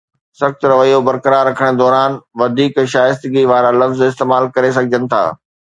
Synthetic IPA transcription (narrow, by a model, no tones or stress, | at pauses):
sɐxt̪ɾɐʋəijobɐɾkəɾaɾːɐkʰəɽ̃d̪ɔːɾaːnʋɐd̪ʱiːkʃaːjst̪ɪɡiʋaːɾalɐfzɪst̪eːmaːlkɐɾes̬ɐɡʱɪd͡ʑənɪ̆t̪ʰa̰ː